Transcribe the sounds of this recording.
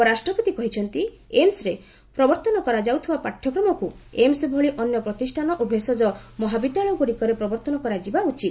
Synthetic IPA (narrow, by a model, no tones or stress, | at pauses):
ɔɾasʈɾɔput̪ikɔɦit͡ʃʰɔnt̪i | emsɾe | pɾɔbɔɾt̪ɔnɔkɔɾad͡ʒawt̪ʰibapaʈʰjɔkɾɔmɔkuemsbʱɔɭiʔɔnjɔpɾɔt̪isʈʰanɔʔobʱesɔd͡ʒɔmɔɦabit̪aɭɔkoɾikɔɾepɾɔbɔɾt̪ɔnɔkɔɾad͡ʒibaut͡ʃit̪̚